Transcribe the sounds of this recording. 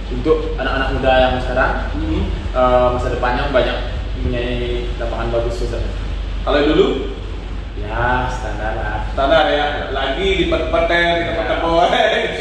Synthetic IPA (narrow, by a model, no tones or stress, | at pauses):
unt̪ʊk̚ | anakanak̚mudajaŋsəkaɾaŋ | əmisadipaɲaŋbaɲak̚ | muɲailapaŋanbaɡusut̪ə | kaloidulu | jasə̥t̪andalast̪andaja | laɡidipət̪pət̪ɛit̪apət̪əboɛ